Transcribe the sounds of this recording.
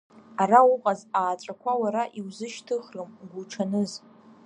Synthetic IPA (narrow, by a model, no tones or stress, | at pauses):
araʊqʼazaːʈ͡ʂʷʼakʷʰawaɾaʔiwzɨʃtʰɨχrɨmɡʷuʈ͡ʂʰanɨz